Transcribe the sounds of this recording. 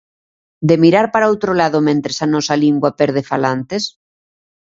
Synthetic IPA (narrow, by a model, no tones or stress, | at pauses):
d̪emiɾaɾpaɾaowt̪ɾolaðomẽnt̪ɾesanɔsaliŋɡwapɛɾð̞efalant̪es